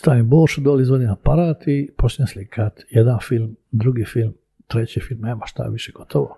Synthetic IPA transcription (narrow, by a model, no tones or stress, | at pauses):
st̪aʋiboːɾʃud̪oːlizʋod̪inapaɾaːt̪ipot͡ʃɲeslikʰat̪jed̪anfilmd̪ɾuɡiːfilm | t̪ɾet͡ɕifilmneːmaʃt̪a̰ʋiʃeɡot̪ʰoʋo